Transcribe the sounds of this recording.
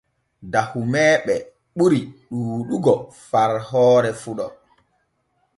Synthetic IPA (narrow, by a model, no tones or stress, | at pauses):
dahumɛːɓɛ | ɓuɾiɗuːɗuɡɔfaɾhɔːɾɛfuɗɔ